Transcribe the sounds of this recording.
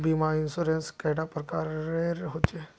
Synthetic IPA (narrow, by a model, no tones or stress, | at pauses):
bimaɪnsoɾenskɛɖapɾəkaːɾeɾɦot͡ʃe